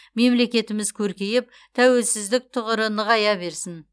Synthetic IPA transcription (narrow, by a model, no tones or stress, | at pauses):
me̞mle̞kʲe̞t̪ɪmɪzkʲʰɵɾkʲe̞jɪp̚ | t̪ʰæwe̞lsɪzd̪ɪk̚t̪ʰʊʁəɾənəʁɑjɑbe̞ɾsɪn